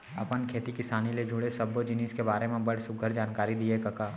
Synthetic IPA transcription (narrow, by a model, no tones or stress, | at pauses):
ɐpənkʰeːt̪ikɪsaːniled͡ʒʱʊɽesɐbːod͡ʒɪniːskebaːɾemẽbɐɽsʊɡʱəɾd͡ʒaːnkaːɾid̪iekɐkaː